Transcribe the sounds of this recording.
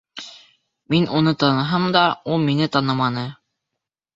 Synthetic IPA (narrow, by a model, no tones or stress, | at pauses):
minunɤt̪ɑnɤ̆ɦɤmd̪ɑulˠminɘt̪ɑnɤmɑnɤ